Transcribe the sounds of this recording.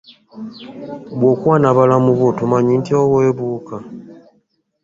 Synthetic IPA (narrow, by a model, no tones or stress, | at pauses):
βwokwanaβalamuβotumaɲintiowoeβuːka